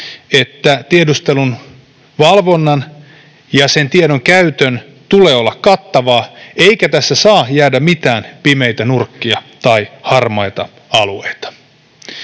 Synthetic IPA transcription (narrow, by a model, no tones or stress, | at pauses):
et̪ːæt̪iedust̪elun | ʋɑlʋonːɑn | jɑsent̪iedoŋkæyt̪øn | t̪uleːolːɑkkɑt̪ːɑʋɑːeikæt̪æsːæsɑːjæːdæmit̪æːnpimejt̪ænurkːiɑt̪ɑihɑrmɑjt̪ɑ | ɑlueit̪ɑ̥